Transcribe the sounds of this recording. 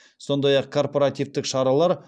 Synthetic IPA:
so̞nd̪ɑjɑqkʰo̞rpo̞ɾat̪ijvt̪ɪkʃɑɾɑlˠɑɾ

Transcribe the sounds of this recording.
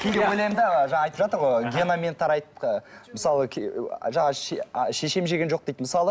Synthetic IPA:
kʲʰejd̪ewojlʲejmd̪eəʒɑɑːjt̪əpʒɑt̪əɾʁojɡʲenomʲent̪ʰɑɾɑjt̪əməsɑlˠəeʒɑɴɑʃeʃe̞ʃe̞mʒeɡʲenʒo̞q̚d̪e̞jt̪məsɑlˠə

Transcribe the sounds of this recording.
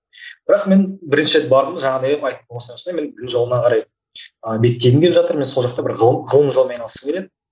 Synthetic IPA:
b̥ɪɾɑqme̞nbɪɾɪnʃɪɾe̞t̪̚bɑɾd̪əmʒɑɴɑnejeɑjt̪əp̚bomɑsɑsneme̞nbɪzd̪ʲɪnʒo̞lˠənɑqʰɑɾɑj | əbe̞t̪ʲːe̞j̪ɪmɡʲeepʒɑt̪əɾme̞nso̞lˠʒɑqt̪ɑbɪɾʁəlˠʁəlˠəmʒomɑjnɑlˠəsəmkʰʲele̞d̪ɪ

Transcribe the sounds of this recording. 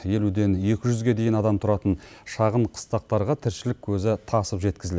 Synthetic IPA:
je̞lud̪e̞nje̞kʲɪʒʏzɡʲe̞d̪e̞jɪnɑd̪ɑmt̪ʰʊɾɑt̪ən | ʃɑʁəɴqʰə̥st̪ɑq̚t̪ɑɾʁɑt̪ʰɪɾʃɪlɪkʲʰɵzɪt̪ʰɑsəpʒe̞t̪kʲɪzɪl

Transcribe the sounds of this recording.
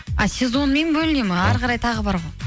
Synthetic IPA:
ɑ̰sʲe̞zo̞nme̞nbɵlɪnemɪɑɾqɑɾɑjt̪ʰɑʁəbɑɾʁoj

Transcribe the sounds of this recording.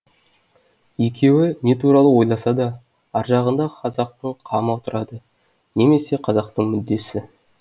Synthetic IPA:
jekʲʰe̞wɪne̞t̪ʰuɾɑlˠəwo̞jlˠɑsɑd̪ɑ | ɑɾʒɑʁənd̪ɑqʰɑzɑq̚t̪əɴqʰɑmɑwt̪əɾɑd̪ə | ne̞me̞se̞qʰɑzɑq̚t̪əɴmʏd̪ːe̞sɪ

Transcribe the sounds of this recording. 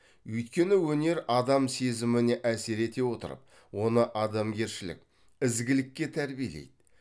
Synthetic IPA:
ɵjt̪kʲe̞nɪwɵne̞ɾɑd̪ɑmse̞zɪmɪneʔæse̞ɾe̞t̪e̞wo̞t̪ə̰ɾə̰p̚ | wo̞nəʔɑd̪ɑmɡʲe̞ɾʃɪlɪ̰k̚ʲ | ɪzɡʲɪlɪkʲːe̞t̪ʰæɾbijelḛjd̪̥ɪ

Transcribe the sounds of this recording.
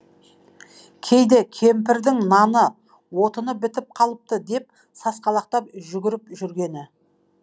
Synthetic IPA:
kʲʰe̞jd̪ekʲʰe̞mpɪɾd̪ɪŋnɑnə | wo̞t̪ənəbɪt̪ɪp̚qʰɑlˠəp̚t̪əd̪e̞p̚ | sɑsqɑlˠɑq̚t̪ɑp̚ʒʏɡʲɪɾɪpʒʏɾɡʲe̞nɪ

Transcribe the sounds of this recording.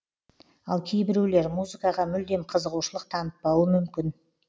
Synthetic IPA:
ɑlˠkʲʰe̞jbɪɾule̞ɾmuzɨkɑʁɑmʏld̪e̞mqʰəzəʁuʃəlˠəq̚t̪ʰɑnət̪̚bɑuəmʏmkʲɪn

